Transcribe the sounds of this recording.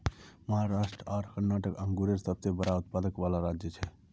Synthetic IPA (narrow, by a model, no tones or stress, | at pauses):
məɦaɾasʈɾəaɾkəɾnaʈəkəŋɡuɾeɾsəb̚t̪ebəɾaut̪pad̪əkbalaɾad͡ʒjət͡ʃʰɛ